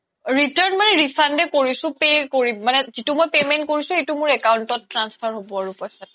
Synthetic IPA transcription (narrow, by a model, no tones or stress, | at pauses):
ɹitaɹnmanɛɹifʰandɛkoɹisʊ̃pekoɹimanɛzitumojpemɛntkoɹisʊ̃etumʊɹɛkawʊntɔtːɹanspʰaɹɦobɔaɹupɔjsat